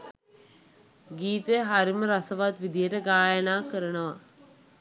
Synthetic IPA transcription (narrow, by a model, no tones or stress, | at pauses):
ɡiːt̪eɦaɾiməɾasəʋat̪ʋid̪ijəʈəɡaːjənaːkəɾənəʋa̰